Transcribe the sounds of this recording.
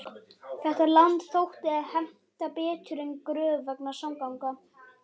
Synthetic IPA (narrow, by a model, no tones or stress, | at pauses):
θɛht̪alant̪θowht̪ɪaðhɛm̥t̪apɛːt̪ʰʏɾɪnkɾœːvœknasawmkawŋka